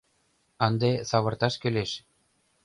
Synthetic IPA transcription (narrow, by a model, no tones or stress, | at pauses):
ɤnd̪esɑβɤ̆rt̪ɑʃkøleʃ